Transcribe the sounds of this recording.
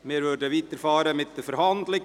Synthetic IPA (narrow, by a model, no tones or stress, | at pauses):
mɪːɾʋøɾdəʋiːt̪əɾfɑːɾəmɪt̪d̥əfəɾɦhɑnd̪lɪ